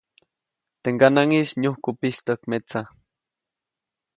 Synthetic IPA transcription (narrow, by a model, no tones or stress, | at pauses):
t̪eŋɡanaŋiʃɲuhkʊpist̪okmet͡sa